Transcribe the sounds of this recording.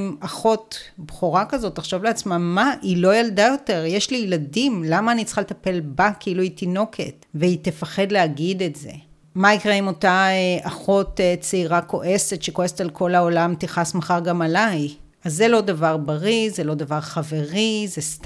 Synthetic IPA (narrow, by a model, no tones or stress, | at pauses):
maχo̞tbχuʁakazo̞tːaχʃo̞vleat͡smamaʔilo̞jaldajo̞te̞ʁjeʃlijladimlamaːnit͡sχaletape̞lbakiiluitino̞kʰḛtveitefaχe̞dleaɡidetzḛ | maikʁeimo̞taeʔaχo̞tet͡seiʁakʰo̞ʔe̞setʃeko̞esetalkʰo̞laolamt̪iχasmaχaʁɡamalaj | azːelo̞davaʁbaʁizelo̞d̪avaʁχave̞ʁizest